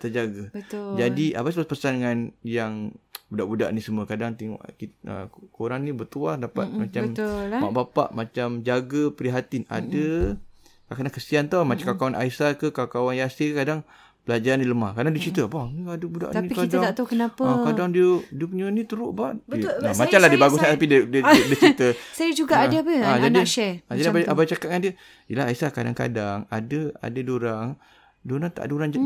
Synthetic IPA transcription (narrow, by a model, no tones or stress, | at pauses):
t̪əd͡ʒaɡabəd͡ʒadia̰bas̬bapəsandəŋanjaŋbudaʔbuda̰ʔnisəmuəkadaŋt̪ɛŋɔ̰ʔkiə̰koɾaŋnĩbət̪uadapa̰t̚mat͡ʃaəmmaʔbapa̰ʔmat͡ʃamd͡ʒaɡəpɾiɦat̪inʔa̰də | kakadaŋkəsiant̪awmat͡ʃakakawanʔa̰isakəkakawanjasikəkadaŋ | bəlad͡ʒaɾaniləma̰hkaɾdaŋdiət͡ʃit̪əbahniadəbuda̰ʔ̪niikitdat̪at̪akənapəkadaŋdiədiəpəɲənĩt̪əɾʊʔbaʔbiənamat͡ʃamladiəbaɡɡusnat̪apidədədət͡ʃit̪əsajəd͡ʒuɡaʔadabəad͡ʒadiʃɛad͡ʒadiabaʔabat͡ʃakat̪̚ŋandiə | iəlaɦaisakada̰ŋka̰daŋa̰dəa̰dədoɾaŋ | doɾaŋt̪a̰ʔadəuɾaŋd͡ʒ